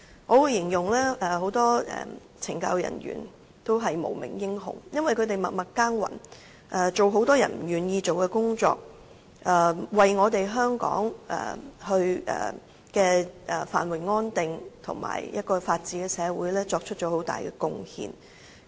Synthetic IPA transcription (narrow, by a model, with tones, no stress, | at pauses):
ŋɔː˨˧wuː˨˧jɪ˨˩ŋjʊ˨˩ŋlɛː˥ʔɛ˨˩ho˨˥wt̪ɔː˥ɛ̰ː˨˩ | t͡sʰɪ˨˩ŋkɐ̰˧wjɐ̰˨˩nɥy̰ː˨˩n | t̪o˥wɦɐ˨jmo̰˨˩wmɪ̰˨˩ŋjɪ˥ŋɦʊ̰˨˩ŋjɐ˥nwɐ˨jkʰɵ˧t̪e˨˩jmɐ˨t̚mɐ˨t̚kaː˥ŋwɐ̰˨˩n | ʔɛ˨˩t͡so˨wɦo˨˥wt̪ɔː˥jɐ̰˨˩nm̩˨˩jyː˨˩njiː˧t͡ʃo˨wkɛː˧kʊ˥ŋt͡ʃɔ̰ː˧k̚ | ʔɛː˨˩wɐ˨jŋɔː˨˧t̪e˨jɦœː˥ŋkɔ̰ː˨˥ŋʔɛ̰ː˨˩hɵ˧ɥʔɛ̰ː˨˩ | kɛː˧ʔɛ˨˩fa̰ː˨˩nwɐ˨˩jŋɔː˥nt̪ɪ˨ŋt̪ʰʊ̰˨˩ŋma̰ː˨˩jjɐ˥t̚kɔː˧faː˧t̚t͡siː˨˥kɛː˧sɛː˨˧wuː˨˧˥jlɛː˥t͡sɔː˧k̚t͡ʃʰɵ˥t̚t͡ʃɔː˨˥ho˨˥wt̪a̰ː˨jkɛː˧kʊ˧ŋhḭː˨˧n